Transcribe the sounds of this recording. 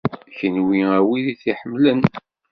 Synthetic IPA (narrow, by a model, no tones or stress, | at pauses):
çənwiæwiðiθiħəmːlən